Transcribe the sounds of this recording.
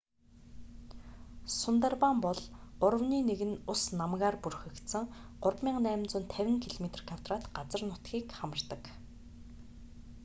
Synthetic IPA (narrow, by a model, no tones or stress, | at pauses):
sʊnt̪arpampɔɮʊrə̆wniːneɣɘ̆nʊsnamɣaːrpurxɘ̆kt̪sə̆ŋɢʊrpmʲiːŋnæːm̆nt͡sʊ̆nt̪ʰæwʲɪ̆ŋkʰiɮomet̪̆rkʰawt̪raːt̪ɢat͡sə̆rnʊt̪ɡiːkχamə̆r̥t̪ə̆k